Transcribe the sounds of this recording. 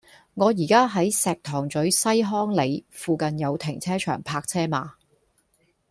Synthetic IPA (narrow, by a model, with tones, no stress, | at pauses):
ŋɔː˨˧jiː˨˩kaː˥ɦɐ˨˥jsɛː˨k̚t̪ʰɔː˨˩ŋt͡sɵ˨˥ɥsɐ˥jɦɔː˥ŋle˨˧jfuː˨˧kɐ˨njɐ˨˧wt̪ʰɪ˨˩ŋt͡sʰɛː˥t͡ʃʰœ̰ː˨˩ŋpʰaː˧k̚t͡sʰɛː˥maː˨˧